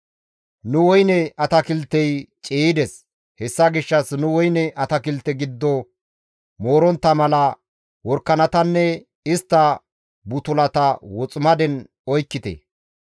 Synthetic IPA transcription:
nʊwɔjnɛɐt̪ɐkɪlt̪ːɛjt͡ʃʼiːd̪ɛs | hɛsːɐɡɪʃːɐsnʊwɔjnɛʔɐt̪ɐkɪlt̪ːɛɡɪd̪ːɔ | mo̞ːɾɔnt̪ːɐmɐlɐ | wɔɾkːɐnɐt̪ɐnːɛ | ɪst̪ːɐ | bʊt̪ʊlɐt̪ɐwɔt͡sʼʊmɐd̪ɛn | ɔjkːɪt̪ɛ̰

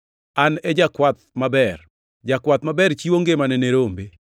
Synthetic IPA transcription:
anɛd͡ʒakwat̪̚mabɛr | d͡ʒakwat̪̚mabɛɾt͡ʃiwoŋɡemanɛneɾombe

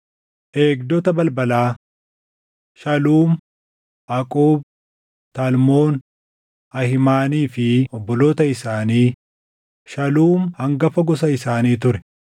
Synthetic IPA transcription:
ʔe̞ːɡd̪ɔt̪ɐbɐlbɐlaː | ʃɐluːm | ʔɐkʼuːb̚ | t̪almoːn | ɐhɪmaːniːfɪɔbːɔloːt̪ɐɪsaːniː | ʃɐluːmhɐŋɡɐfɐɡɔsɐɪsaːniːt̪ʊɾɛ

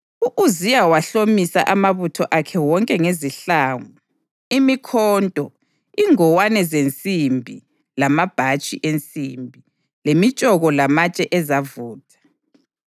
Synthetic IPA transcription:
uʔuzijawaɬomisa̰ʔamaβutʰɔʔakʰɛwɔŋkʼɛŋeziɬaːŋɔ | imikʰɔːntʼɔ | iŋɔwanɛzent͡sʼimbʱi | lamab̥ʱat͡ʃʼiʔent͡sʼimbʱi | lemit͡ʃʼɔɣɔlamat͡ʃʼɛʔɛzavuːtʰʼḁ

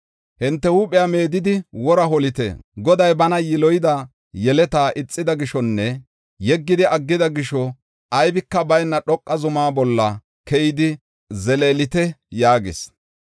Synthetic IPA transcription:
hɪnt̪ːɛhuːpʼɪjame̞ːd̪ɪd̪ɪwɔɾɐɦɔlɪt̪ɛ̰ɡɔd̪ɐjbɐnɐjɪlɔjɪd̪ɐ | jɛlɛt̪aːʔɪt͡sʼːɪd̪ɐɡɪʃɔnːɛ | jɛɡːɪd̪ɪʔɐɡːɪd̪ɐɡɪʃɔ | ʔɐjbɪkːɐbɐjnːɐɗɔkʼːɐzʊmaːbɔlːɐ | kɛjɪd̪ɪ | zɛleːlɪt̪ɛjaːɡɪ̰s

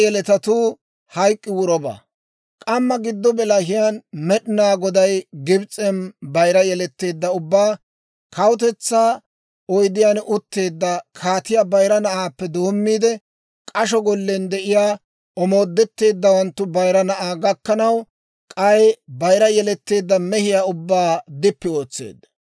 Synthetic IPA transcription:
jɛlɛt̪ɐt̪uː | hɐjkʼːɪwʊɾɔba̰ | kʼɐmːɐɡɪd̪ːɔbɛlɐɦɪjanmɛɗɪnaːɡɔd̪ɐjɡɪbt͡sʼːɛnbɐjɾɐjɛlɛt̪ːe̞ːd̪ːɐʊbːaː | kʰɐwʊt̪ɛt͡sːaː | ɔjd̪ɪjanʔʊt̪ːe̞ːd̪ːɐkʰaːt̪ɪjabɐjɾɐnɐʔaːpːɛd̪o̞ːmːiːd̪ɛ | kʼɐʃɔɡɔlːɛnd̪ɛʔɪjaː | ʔɔmo̞ːd̪ːɛt̪ːe̞ːd̪ːɐwɐnt̪ːʊbɐjɾɐnɐʔaːɡɐkːɐnɐw | kʼɐjbɐjɾɐjɛlɛt̪ːe̞ːd̪ːɐmɛhɪjaːʊbːaːd̪ɪpːɪo̞ːt͡sːe̞̰ːd̪ːɐ̥

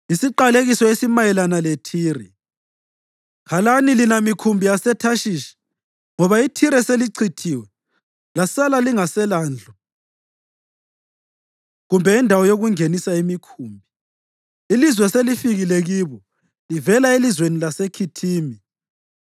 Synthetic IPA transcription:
isiǃaleɣisɔesimajɛlanalɛtʰiːrɛ | kʰalanilinamikʰumbʱijasɛtʰaʃiːʃḁ | ŋɔβaitʰiɾɛseliǀʰitʰiwɛ | lasalaliŋasɛlaːnd͡ɮʱɔ | ɣumbʱɛindʱawɔjoɣuŋenisaimikʰuːmbʱi | ilizwɛselifiɣilɛɣiβɔ | livɛlaelizwenilasekʰitʰiːmi

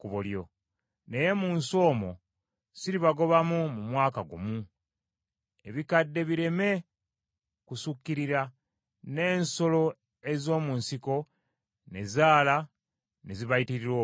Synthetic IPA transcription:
kuβuljo̞̰ | ne̞je̞muːnso̞ːmo | siɾiβaɡo̞βamumumwaːkaɡṵmu | e̞βikadːe̞βiɾe̞me̞ | kusukːiɾiɾa | ne̞ːnso̞lo̞ | e̞zo̞ːmuːnsiko̞ | ne̞zaːla | neziβajitiɾiɾwo

